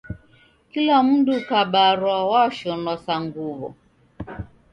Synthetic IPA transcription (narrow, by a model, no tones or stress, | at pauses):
kilamundukaɓaɾwawaʃɔnwasaŋɡuβɔ̰